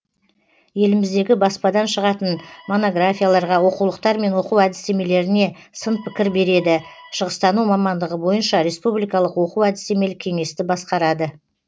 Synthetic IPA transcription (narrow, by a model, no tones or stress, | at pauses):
je̞lɪmɪzd̪e̞ɡʲɪbɑspɑd̪ɑnʃəʁɑt̪ənmo̞no̞ɡrafʲijalˠɑɾʁɑwo̞quwlˠəq̚t̪ɑɾme̞nwo̞quwæd̪ɪst̪e̞me̞le̞ɾɪne̞ | sənpʰɪkʲɪɾbe̞ɾe̞d̪ɪʃəʁəst̪ɑnumɑmɑnd̪əʁəbo̞jənʃɑɾe̞spublˠijkɑlˠəqwo̞quwæd̪ɪse̞me̞lɪkʲʰe̞ŋe̞st̪ɪbɑsqɑɾɑd̪ə